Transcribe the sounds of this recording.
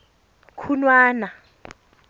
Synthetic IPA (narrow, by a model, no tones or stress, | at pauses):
kʰunwaːna